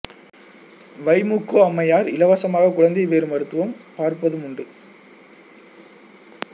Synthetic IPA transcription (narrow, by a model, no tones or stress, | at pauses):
ʋɐɪmukːoːɐmːɐjaːɾɪlɐʋɐsɐmaːɣɐkʊɻɐnd̪ɪʋeːɾɯmɐɾɯt̪ːɯʋɐmpaːɾpɐðɯmʊɳɖɯ